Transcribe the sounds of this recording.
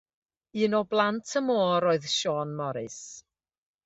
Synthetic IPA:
iːnɔblˠantʰəmoːɾoːɨðʃɔnmɔɾɨ̰s

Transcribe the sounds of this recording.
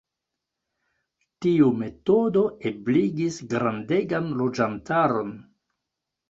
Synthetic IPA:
tiume̞todo̞ebliɡisɡɾandeɡanlod͡ʒantaɾo̞n

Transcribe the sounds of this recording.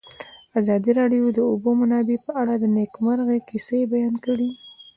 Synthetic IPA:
azɑd̪iɾɑɖjod̪əʊbomanɑbepəaɽad̪ənekmaɾɣekisebajɑnkəɽi

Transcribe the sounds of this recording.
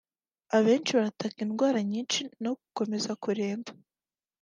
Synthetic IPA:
aβe̞ːnt͡ʃiβaɾatʰakinɡwaːɾaɲiːnʃino̞kuko̞me̞zakuɾe̞ːmɡa

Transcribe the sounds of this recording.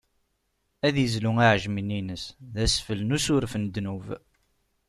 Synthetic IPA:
æðjəzluŋaʕəʒmininəsðæsfəlnusʊɾfənd̪nuv

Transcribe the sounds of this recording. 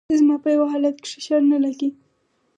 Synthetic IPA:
zmɑpəjawaɦɑlat̪ke̥ʂɪʃɑɾnalaɡi

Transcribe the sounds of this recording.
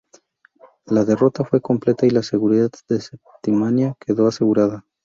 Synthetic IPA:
laðe̞ro̞t̪afwe̞ko̞mple̞t̪ailase̞ɣuɾiðad̪d̪esep̚t̪imanjake̞ðo̞ase̞ɣuɾaða

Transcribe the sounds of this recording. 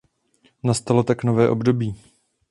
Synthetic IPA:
nast̪alo̞t̪aknovɛːʔo̞bdo̞biː

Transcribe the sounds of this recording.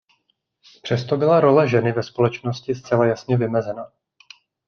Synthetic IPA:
pr̝̥ɛst̪o̞bɪlaɾo̞lɛʒɛnɪvɛspo̞lɛt͡ʃno̞scɪst͡sɛlajasɲɛvɪmɛzɛna

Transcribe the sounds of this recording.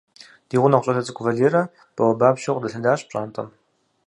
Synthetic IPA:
d̥iːʁʷʊnɐχʷɕʼɐtʰɐt͡sʼɨkʷʰʊvɐdeːɾɐ | b̥ɐwɐbaːbʃoqʷʼdɐɬɐdaːɕʼpʼɕʼaːntʼɐm

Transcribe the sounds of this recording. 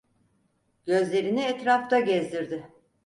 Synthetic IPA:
ɟ̥ø̞zlʲe̞ɾiniɛt̪ɾaft̪aɟɛzd̪iɾd̪ɪ

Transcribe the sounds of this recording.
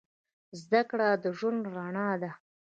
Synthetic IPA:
zd̪akɽad̪əʒunɾaɳɑd̪a

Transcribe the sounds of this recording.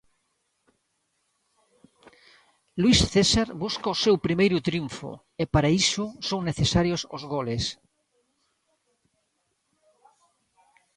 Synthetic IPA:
lwisθesaɾbuskaosewpɾimejɾʊt̪ɾjuɱfo̰ | epaɾaisʊsoŋneθesaɾjoso̰zɣoles

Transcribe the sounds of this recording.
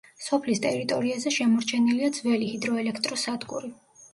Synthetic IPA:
sɔpʰlist̪ʼɛɾit̪ʼɔɾiazɛʃɛmɔɾt͡ʃʰɛniliad̪zvɛlihid̪ɾɔɛlɛkʰt̪ʼɾɔsad̪ɡṵɾi

